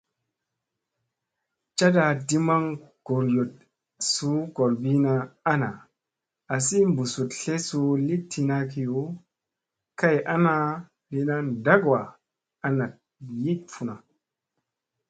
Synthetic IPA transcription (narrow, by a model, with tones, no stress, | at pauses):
t͡ʃa˦da˧di˦ma˦ŋɡ̥o˨ɾjo˨t̚ | su˦ɡo˨ɾbi˦na˧a˦na̰˨ | a˨si˦mbu˨su˨tɬe˦su˧li˦tʰi˧na˧ki˨ju˦ | ka˦jʔa˦na˧ | li˦na˦nda˦ɡwa˨ | a˦na˨t̚ | ji˦t̚fu˨na˨